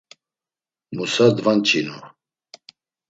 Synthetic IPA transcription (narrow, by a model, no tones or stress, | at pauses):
musad̪vant͡ʃʰinu